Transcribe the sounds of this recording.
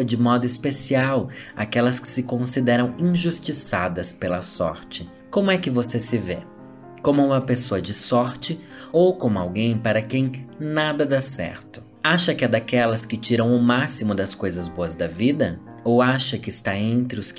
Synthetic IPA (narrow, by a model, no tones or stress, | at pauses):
ɐd͡ʒɪmɔd̪ʊispesiawa̰kɛlɐskɪ̥sɪkõsid̪ɛɾɐ̃w̃ĩʒust͡ʃisad̪ɐspelɐsɔ̰ɾt͡ʃɪ | kõmʊɛkɪvosesɪve | kõmʊũmɐpesoɐd͡ʒɪsɔɾt͡ʃɪ | owkõmʊa̰wɡẽj̃paɾɐkẽj̃nad̪ɐd̪asɛ̰ɾt̪ʊ̥ | aʃɐkɪad̪akɛlɐskɪt͡ʃiɾɐ̃w̃ʊmasimʊd̪ɐskojzɐzboɐzd̪ɐvid̪ɐ | owaʃɐkɪɪst̪aẽnt̪ɾɪʊs